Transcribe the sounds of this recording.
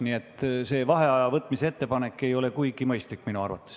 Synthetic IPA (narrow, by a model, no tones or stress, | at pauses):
niet̪ːˑse̞ːvɑɦe̞ɑjɑvɤt̪ːˑmisee̞t̪ːe̞pɑne̞kːe̞jo̞le̞kujɡ̥imɤjst̪likːminuɑ̰rvɑ̰t̪ːˑes